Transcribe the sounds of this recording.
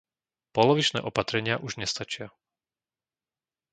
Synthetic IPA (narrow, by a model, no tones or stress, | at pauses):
pɔlɔʋit͡ʃnɛ̰ːʔɔpat̪ɾɛɲɪaʔuʒɲɛst̪at͡ʃɪa